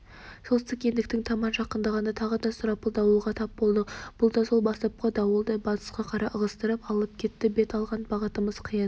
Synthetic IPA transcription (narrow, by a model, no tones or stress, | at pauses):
solˠt̪əkʲe̞nd̪ɪk̚t̪ɪŋt̪ʰɑmɑnʒɑqənd̪ɑʁɑnət̪ʰɑʁəd̪ɑsʊɾɑpəlˠd̪ɑwuʁɑt̪ʰɑp̚bo̞lˠd̪əb̥ʊlˠd̪ɑso̞lˠbɑst̪ɑp̚qɑd̪ɑwolˠd̪ɑjbɑt̪ə̥sqɑqʰɑɾɑʔəʁəst̪əɾəpɑlˠəp̚kʲʰe̞t̪ːɪbe̞t̪ɑlˠʁɑnbɑʁət̪əməz̥qʰəjən